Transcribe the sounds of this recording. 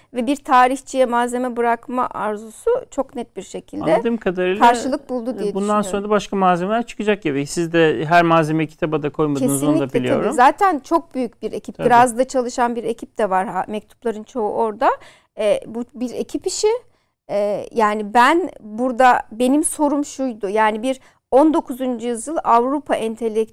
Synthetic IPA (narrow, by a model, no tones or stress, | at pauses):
vɛbiɾt̪ʰaːɾiçt͡ʃʰijɛmaːze̞mɛbɯɾakma̰ʔaɾzusut͡ʃʰo̞knɛt̪̚biɾʃe̞cʰilʲd̪ɛd̪ɯmkʰad̪aɾɯːlˠkʰaɾʃɯlˠɯk̚bulˠd̪ud̪ijɛbuind̪anso̞nɾad̪abaʃkamaːzemelʲæɾt͡ʃʰɯ̥kɯd͡ʒakjabesizd̪ɛɦæɾmaːzemɛcʰi̥t̪ʰabad̪akʰo̞jmad̪eɯnioiab̪ʲlʲijʰaoɾuzaːt̪ʰænt͡ʃʰo̞k̚byjyc̚biɾe̞cʰi̥p̪ʰiɾazd̪at͡ʃʰalˠɯʃanbiɾe̞cʰip̚d̪ɛvaɾamɛc̚t̪ʰu̥plˠaɾɯnt͡ʃʰo̞ṵʔo̞ɾd̪a | ɛbubiɾe̞cʰipiʃi | ɛjaːnibænbuɾd̪abe̞nimso̞ɾumʃujd̪ʊjaːnibiɾ | o̞nd̪o̞kʰuzund͡ʒujɯzjɯlˠavɾupʰaʔɛnt̪ʰe̞lʲːɛ